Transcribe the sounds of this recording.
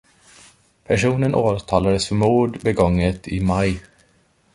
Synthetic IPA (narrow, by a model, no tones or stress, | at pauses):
pʰæʂuːnənʔoːt̪ʰɑːlad̪əsfœɾmuːɖbɛɡɔŋːət̪ʰɪ̰maj